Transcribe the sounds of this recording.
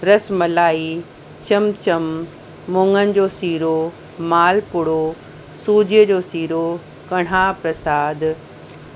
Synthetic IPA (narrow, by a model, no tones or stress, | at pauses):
ɾɐsmɐlaːi | t͡ɕɐmt͡ɕɐmː | õːŋɡənɪ̆d͡ʑoːsiːɾo | maːlpʊɽo | suːd͡ʑiəd͡ʑoːsiːɾo | kɐɽ̤aːpɾɐsaːd̪